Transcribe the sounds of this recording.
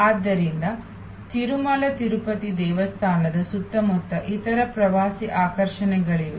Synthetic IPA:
aːd̪ːɐɾind̪ɐ | t̪iɾumɐlɐt̪iɾupɐt̪id̪ɛːʋɐst̪ʰaːnɐd̪ɐsut̪ːɐmɔt̪ːɐʔit̪ɐɾɐpɾɐʋaːsiʔaːkɐɾʂɐnɛɡɐɭiʋe

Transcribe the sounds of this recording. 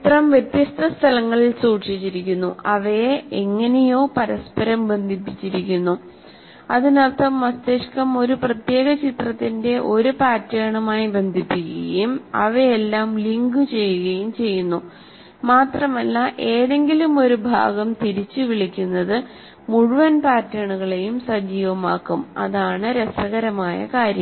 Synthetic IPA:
t̪rɐmʋjet̪jɐst̪ʰɐst̪ʰɐlɐŋːɐɭilsuːʈʂit͡ɕːiɾikʲːunːṵʔɐʋeeŋːɐne̞jo̞ːpɐɾɐspɐɾɐmbe̞nd̪ʱipːit͡ɕːiɾikʲːunːu | ɐðinert̪ʰːɐmːɐst̪eʂkɐmo̞ɾuprɐt̪je̞ːɣɐt͡ɕit̪rɐt̪ːinde̞ʔo̞ɾupaːrtːɐːɳumaːjibe̞nd̪ʱipːikːɐ̰jumɐ̰ʋɐelːaːmliŋɡɨt͡ɕe̞jːuɣɐjumt͡ɕe̞jːunːu | maːt̪rɐmɐlːɐʔe̞ːðe̞ŋɡilumo̞ɾubʱa̰ːɡɐmt̪iɾit͡ɕːɨʋiɭikʲːunːɐðɨ | muɻuʋɐnpaːtːɐːɳuɣɐɭe̞jumsɐd͡ʑiːʋɐma̰ːkːumɐ̰ðaːɳɨɾesɐɣɐɾɐmaːjɐ̰kaːɾjɐ

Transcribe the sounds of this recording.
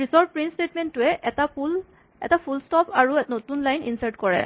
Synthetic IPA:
ɹisɔɹb̚pɹinstetmɛntːʊɛʔal | ɛ̰tapʰulstɔpʰaɹunotunlajnḭnsaɹtkɔɹɛ̰

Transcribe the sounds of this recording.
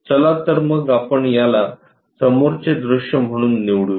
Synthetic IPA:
t͡səlat̪əɾməɡapəɳjala | səmoɾt͡sed̪ɾuɕjəm̤əɽ̃uːnːiʋɽu

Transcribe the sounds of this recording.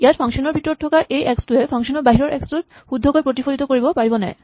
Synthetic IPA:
eaɾfʰɔŋʃonoɾbʱiʈːoɾʈʰokaɾʔejʔɛksʈuefʰɔŋʃonoɾbaɦiɾoɾʔɛksʈuɾ | hud̪ʱːokoepɾot̪ifolit̪okoɾibopaɾibonɛ̰

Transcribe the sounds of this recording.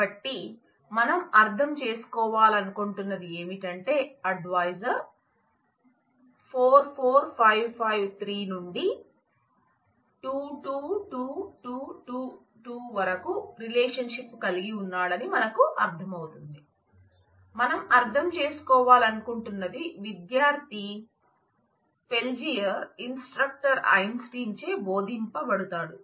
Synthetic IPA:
ɐʈːi | mɐnɐmɐɾd̪ʱɐmt͡ʃe̞ːsu̥kɔːʋaːlɐnukuɳʈunːɐd̪ie̞ːmiʈɐɳʈe̞ːɐɖʋaːjsɐɾ | pʰoːɾpʰoːɾpʰɐjʋpʰɐjʋt̪ʰɾiːnuɳɖi | ʈuːʈuːʈuːʈuːʈuː | ʈuːʋɐɾɐkuɾileːʂɐnʂipːkɐliɡiunːaːɽɐnimɐnɐkuʔɐɾd̪ʱɐmɐwut̪und̪i | mɐnɐmɐɾd̪ʱɐmt͡ʃe̞ːsu̥kɔːʋaːlɐnukuɳʈunːɐd̪iʋid̪jaːɾt̪i | pe̞ld͡ʒijɐɾinsʈɾɐk̚ʈɐɾɐ̰jnsʈiːɲt͡ʃe̞ːbo̞ːd̪ʱimpɐbɐɽut̪aːɽu

